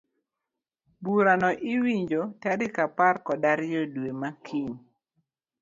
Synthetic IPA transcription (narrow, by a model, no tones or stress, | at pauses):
buɾanɔʔiwiɲd͡ʒotaɾikaparkɔdaɾɪjɔdwemakʰiɲ